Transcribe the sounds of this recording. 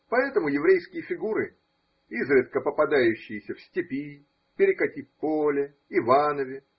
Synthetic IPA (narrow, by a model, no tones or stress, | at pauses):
pɐɛt̪əmʊjɪvɾʲejskʲɪjəfʲɪɡuɾɨ | izɾʲɨt̪kəpəpɐd̪ajʉɕːɪjɪsʲəfsʲtʲɪpʲi | pʲɪɾʲɪkɐtʲifʲpolʲɪː | vanəvʲɪ